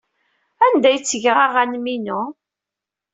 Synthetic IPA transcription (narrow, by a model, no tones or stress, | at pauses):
ænd̪æjt͡sːəʝʁaʁænminuʊ